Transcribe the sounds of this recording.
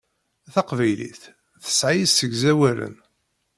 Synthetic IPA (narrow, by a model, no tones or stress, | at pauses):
θɑqvæjlḭθ | θə̥sʕijisːəɡzæwælə̰n